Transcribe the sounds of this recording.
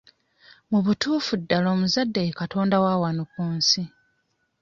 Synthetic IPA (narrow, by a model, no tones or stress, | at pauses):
muβutuːfudːalo̞ːmuzadːajekato̞ːndawaːwanukuːnsi